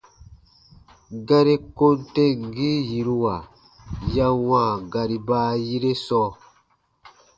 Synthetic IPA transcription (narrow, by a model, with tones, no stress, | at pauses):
ɡa˦ɾi˦ko˦nte˦ŋ˨ɡi˦ji˨ɾu˦wa˨ | ja˦wãː˦˨ɡa˨ɾi˨baː˦ji˦ɾe˦sɔ˦